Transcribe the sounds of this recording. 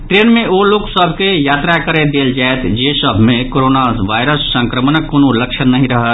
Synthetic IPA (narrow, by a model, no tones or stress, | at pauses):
ʈɾeːnmẽoloːksəbʱkejaːt̪ɾakəɾed̪eːld͡ʒaet̪ʰd͡ʒesəbʱmẽkoɾoːnaʋaːɪɾəsːə̃ŋkɾəmənəkːonoləkʃənːəɦĩɾəɦət̪